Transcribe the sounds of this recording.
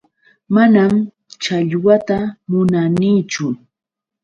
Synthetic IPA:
manam | t͡ʃaʎwat̪amʊnaniːt͡ʃʊ

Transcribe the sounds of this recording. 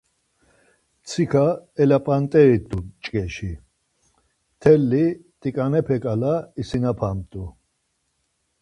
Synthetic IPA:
t͡sʰikʰaɛlapʼant̪ʼɛɾit̪ʼut͡ʃʼkʼɛʃi | t̪ʰɛlːit̪ʼikʼanɛpʰɛkʼalaisinapʰamt̪ʼu

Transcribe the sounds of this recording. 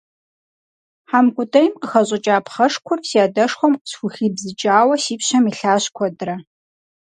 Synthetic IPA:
ħaːmkʷʼʊtʼɐjmqəxɐɕʼɐt͡ʃʼaːpʰχɐʂkʷʰʊrsiaːdɐʂχʷɔmqə̥sxʷʊxiːbzɨt͡ʃʼaːwɐsiːpɕɐmiːɬaːɕkʷʰɔdɨɾɐ

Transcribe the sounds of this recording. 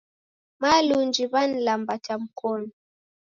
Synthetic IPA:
malund͡ʒiβan̩lambatam̩kʰɔnɔ

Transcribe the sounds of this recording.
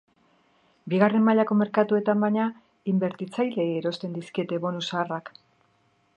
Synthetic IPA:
biɣare̞mmaʎako̞me̞ɾkat̪ue̞t̪ambajɲa | imbe̞ɾt̪it͡sajle̞iːɾo̞st̪e̞nd̪iskie̞t̪e̞βo̞nusaːrak

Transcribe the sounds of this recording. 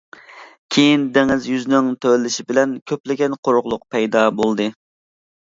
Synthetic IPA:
kʲʰejind̪eŋɪzjyznɪŋt̪ʰølːɪʃibɪlɛnkʲʰøplɪɡʲɛnqʰoɾʊʁlˠʊq̚pʰɛjd̪ɑbolˠd̪ɨ

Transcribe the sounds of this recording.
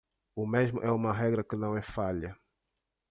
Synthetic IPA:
ʊmezmʊʔɛũmɐɦɛɡɾɐkɪnɐ̃w̃ɛfaʎɐ

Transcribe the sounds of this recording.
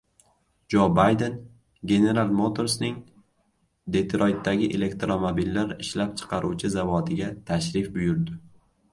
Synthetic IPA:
d͡ʒobajd̪e̞n | ɡʲe̞ne̞ɾalˠmot̪ʰo̞ɾsnɪŋ | d̪e̞t̪ɾojt̪ːaɡʲɪʔe̞le̞kt̪ɾomobilːaɾɪʃlap̚t͡ʃʰɨ̥qʰɑɾʔuwt͡ʃʰɪzavɒt̪ʰɪɡʲat̪ʰaʃɾɪfbʊjʊɾd̪ɪ

